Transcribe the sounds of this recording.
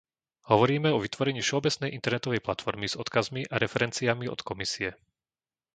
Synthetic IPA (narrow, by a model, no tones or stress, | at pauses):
hɔʋɔɾiːmɛɔʋit̪ʋɔɾɛɲiːfʃɛɔbɛt͡snɛjʔint̪ɛɾnɛt̪ɔʋɛjplat̪fɔɾmiz̥ɔt̪kazmiʔaɾɛfɛɾɛnt͡siamiɔ̰t̪kɔmisiɛ